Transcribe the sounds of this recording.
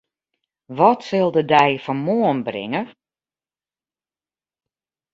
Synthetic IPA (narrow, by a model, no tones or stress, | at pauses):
ʋɔtsɪlˠdədɛjfɔmoənbrɪ̰ŋə